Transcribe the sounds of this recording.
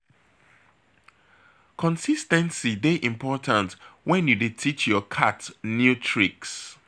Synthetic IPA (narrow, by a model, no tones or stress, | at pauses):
kʰɔ̃nsistɛ̃nsideʔĩmpʰɔtʰãntwɛ̃njuditʰit͡ʃjɔkʰatnjutʰɹiks